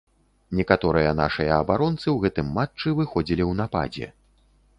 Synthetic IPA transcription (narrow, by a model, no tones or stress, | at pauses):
nʲɛkat̪ɔɾɨjɐna̰ʂɨjɐɐbaɾɔnt̪sɨwɣɛt̪ɨmːat͡ʂːɨvɨxɔd͡zʲilʲiwnapa̰d͡zʲɛ̰